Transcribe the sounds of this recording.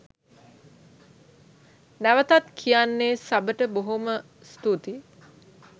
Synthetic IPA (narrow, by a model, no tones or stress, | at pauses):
næʋət̪at̪kʰijanːeːsabəʈəboɦomə | st̪ut̪i